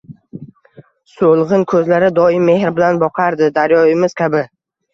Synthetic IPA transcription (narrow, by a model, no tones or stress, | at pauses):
solˠʁɨnkʰɵzlaɾɪd̪ɒɪmːe̞hɾbɪlanbɒqʰaɾd̪ɪd̪aɾjɒɪmɪz̥kʲʰabɪ